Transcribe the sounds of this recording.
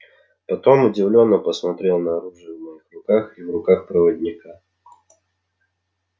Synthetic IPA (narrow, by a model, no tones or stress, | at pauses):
pɐt̪o̞mʊdʲɪvlʲo̞nːəpəsmɐt̪ɾʲe̞lˠnəɐɾuʐɨəvmɐixrʊkaxivrʊkaxpɾəvədʲnʲɪka